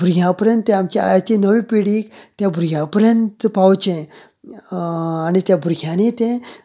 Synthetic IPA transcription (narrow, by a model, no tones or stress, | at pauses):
bʱuɾɡʱʲjãpəɾjə̃nt̪ːẽamt͡ɕea̰jat͡ɕenəʋĩpiɽiːkt̪jabʱuɾɡʱʲjãpəɾjənt̪pawt͡ɕẽ | añit̪jabʱuɾɡʱʲjanet̪ẽ